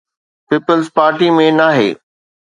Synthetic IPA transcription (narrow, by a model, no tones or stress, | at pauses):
piːpəlzpaːɾʈimẽnaːɦḛː